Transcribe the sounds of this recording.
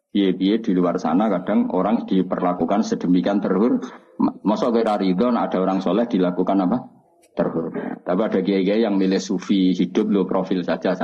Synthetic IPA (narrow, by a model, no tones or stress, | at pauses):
piepied̪̥i̤luwarsa̰nakad̥a̤ŋo̰ɾaŋd̪̥ipə̰rlakukansəd̥əmikiant̪ərɦʊr | mɔsɔkeeɾaɾiðɔna̰d̥a̤oɾaŋsolɛhd̥ilakukanapa | t̪ə̰rɦʊrt̪apiad̥a̤k̬iaikejaŋmilɪhsufiɦid̥ʊ̤p̪̚lopɾofɪlsḁd͡ʒas